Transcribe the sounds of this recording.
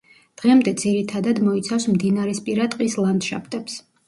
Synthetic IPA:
d̪̥ʁɛmd̪ɛd̪z̥iɾit̪ʰad̪ad̪mɔit̪sʰafsmd̪inaɾɛspʼiɾat̪ʼqʼislˠand̪ʃa̰pʰt̪ʼɛps

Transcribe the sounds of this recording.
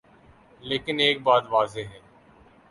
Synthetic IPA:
leːkɪneːk̚baːt̪ʋaːzeɦɛː

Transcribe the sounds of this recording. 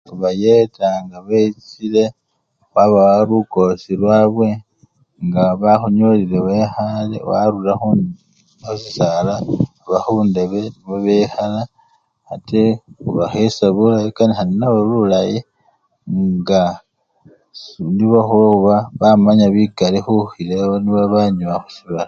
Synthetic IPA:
uβajetaŋɡaβeit͡sile̞ | waβawaɾuko̞silwaːβwe̞ | ŋɡaβaxuɲolileβexalḛwa̰ɾulaxu | sisala | βaxunde̞βe̞niβoβexala | atʰexṵβaxesaβulajikanixalinaβoβulaji | ŋŋɡa | sniβaxuβaxuβaβamaɲaβiɡalixuxileoniβaβaɲumaxu̥siβala

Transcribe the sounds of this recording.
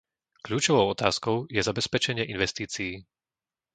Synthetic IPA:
klʎuːt͡ʃɔʋɔʊɔt̪aːskɔʊjɛzabɛspɛt͡ʃɛɲɪɛʔinʋɛst̪iːt͡sijː

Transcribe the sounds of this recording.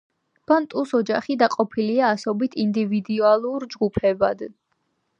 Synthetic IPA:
b̥ant̪ʼusɔd͡ʒaχid̪aqʼɔpʰiliaːsɔbit̪ʰind̪ivid̪ualˠuɾd͡ʒɡupʰɛbad̪

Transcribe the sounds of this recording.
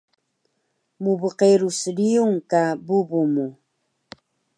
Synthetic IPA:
muβəqeɾusɾiuŋkabuβumu

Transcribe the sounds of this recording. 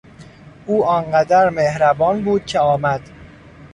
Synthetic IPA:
ʔuːɒːnɢæd̪æɾmehɾæbɒːnbuːd̪̥̚cʰeɒːmæd̪̥

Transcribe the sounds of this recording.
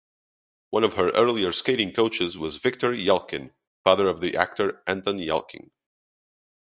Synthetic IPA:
wʌ̃nʌv̥ə˞ʔɜ˞lˠiə˞skeɪɾɪ̃ŋkʰoʊt͡ʃɨzwʌzvɪk̚tʰə˞jɛlˠkɨ̃n | fɑðə˞ʌvðiʔæ̰k̚tʰə˞ʔæ̃nθə̃njɛ̰lˠkʰɪ̰̃ŋ

